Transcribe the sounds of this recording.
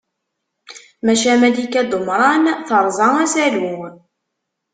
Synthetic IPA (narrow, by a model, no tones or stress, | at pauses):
mæʃæmæd̪ikæd̪omɾˤɑnθəɾˤzˤɑæsælu